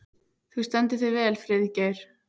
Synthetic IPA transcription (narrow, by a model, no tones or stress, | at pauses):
θust̪ɛnt̪ɪθœvɛːlfɾɪðicɛɾ̥